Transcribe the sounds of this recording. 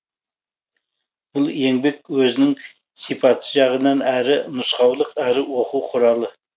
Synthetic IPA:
b̥ʊlˠje̞ŋbe̞k̚wɵzɪnɪŋ | sijpʰɑt̪səʒɑʁənɑnæɾɪnʊsqɑwlˠəqæɾɪwo̞quwqʰʊɾɑlˠə

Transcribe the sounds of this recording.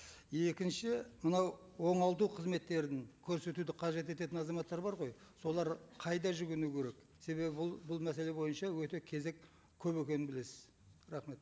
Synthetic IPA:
e̞kʲɪnʃɪmənɑw | wo̞ɴɑlˠt̪uqʰəzme̞t̪ːe̞ɾd̪ɪŋkʲʰɵɾse̞t̪ud̪ɪqʰɑʒe̞t̪e̞t̪e̞t̪ɪnɑzɑmɑt̪ːɑɾbɑɾʁo̞jso̞lˠɑɾqʰɑjd̪ɑʒʏɡʲɪnukʲʰe̞ɾe̞k | se̞βe̞bɪbʊlˠbʊlˠmæse̞le̞bo̞jənʃɑwɵt̪e̞kʲʰe̞ze̞kʲʰ | ɵbekʲe̞nɪnbɪle̞sɪ̥z̥ | ɾɑχme̞t̪

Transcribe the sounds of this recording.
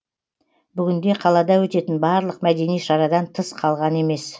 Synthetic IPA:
bʏɡʲɪnd̪e̞qʰɑlˠɑd̪ɑwɵt̪e̞t̪ɪnbɑɾlˠəqmæd̪e̞nijʃɑɾɑd̪ɑnt̪ʰəsqʰɑlˠʁɑne̞me̞s

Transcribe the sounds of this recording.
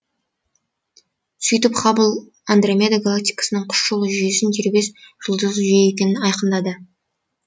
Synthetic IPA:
sʏjt̪ɪpχɑbəlˠ | and̪romʲed̪aɡalˠak̚t̪ʲijkḁsənəɴqʰʊ̥ʃʒolˠəʒʏje̞sɪnt̪ʰeɾbe̞sʒ̥əlˠd̪əzʒijeekʲe̞nɪnɑjqənd̪ɑd̪ə

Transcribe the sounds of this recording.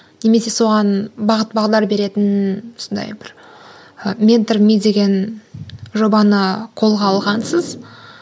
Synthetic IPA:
ne̞me̞se̞so̞ʁɑnbɑʁət̪bɑʁd̪ɑɾbe̞ɾe̞t̪ɪnʊsənd̪ɑ̰jbɪɾ | mʲe̞nt̪rmid̪e̞ɡʲe̞n | ʒo̞bɑnəqʰo̞lˠʁɑːlˠʁɑnsəz

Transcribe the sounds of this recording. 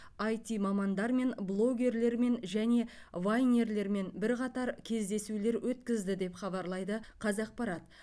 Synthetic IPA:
ɑjt̪ʲimɑmɑnd̪ɑɾme̞nblˠo̞ɡʲe̞ɾle̞ɾme̞nʒæne̞vajne̞ɾle̞ɾme̞nbɪɾqɑt̪ɑɾkʲʰe̞zd̪e̞sule̞ɾwʔɵt̪kʲɪzd̪ɪd̪e̞pχɑβɑɾlˠɑjd̪əqʰɑzɑq̚pɑɾɑt̪

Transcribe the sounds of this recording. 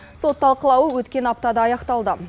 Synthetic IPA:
so̞t̪ːɑlˠqəlˠɑwəwɵt̪kʲe̞nɑp̚t̪ɑd̪ɑːjɑqt̪ɑlˠd̪ə

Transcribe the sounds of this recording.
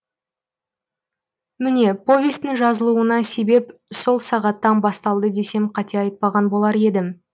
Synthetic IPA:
mɪne̞po̞vʲe̞st̪ɪŋʒɑzəlˠuənɑse̞be̞pso̞lˠsɑʁɑt̪ːɑnbɑst̪ɑlˠd̪əd̪e̞se̞mqʰɑt̪ʰeɑjt̪̚pɑʁɑnbo̞lˠɑɾe̞d̪ɪm

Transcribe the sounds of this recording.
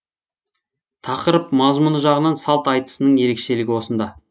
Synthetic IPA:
t̪ʰɑqəɾəpmɑzmunəʒɑʁənɑnsɑlˠt̪ɑjt̪ə̥sənəɴje̞ɾe̞kʃe̞lɪɡʲɪwo̞sənd̪ɑ

